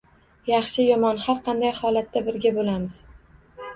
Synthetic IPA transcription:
jɑχʃɪjɒmɒnhaɾqʰɑnd̪ajhɒlat̪ːabɪɾɡʲabolamɪz̥

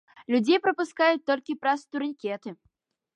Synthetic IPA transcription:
lʲud͡zʲejpɾɐpuskajut̪ɔlʲkʲipɾɐst̪uɾʲɨnʲkʲɛt̪ɨ

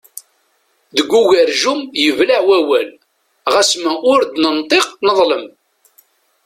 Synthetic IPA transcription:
ðəɡʷːuʝæɾʒumjəvlaʕwæwæl | ʁasmæʔʊɾd̪nənt̪ˤeqnəðˤləm

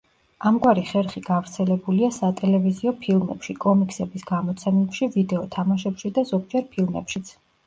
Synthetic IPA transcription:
amɡwaɾiχɛɾχiɡ̥avɾt̪sʰɛlɛbuliasat̪ʼɛlɛviziɔpʰilˠmɛ̰pʃikʼɔmikʰʼsɛbisɡ̥amɔt̪sʰɛmɛpʃivid̪ɛɔt̪ʰamaʃɛpʃid̪azɔɡ̚d͡ʒɛɾpʰilˠmɛ̰pʃit̪sʰ

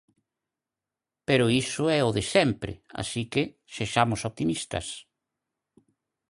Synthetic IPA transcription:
peɾʊisʊɛʊðɪsɛmpɾɪ̰a̰sikɪ | seʃamʊsoβ̚t̪imist̪ɐ̰s

